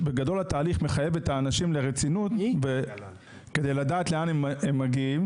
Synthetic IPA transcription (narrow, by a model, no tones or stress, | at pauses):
beɡado̞lat̪aːliχme̞χaje̞vet̪aːnaʃimle̞ʁet͡sinut̪ve | ked̪e̞jladaːtle̞anememːaɡiim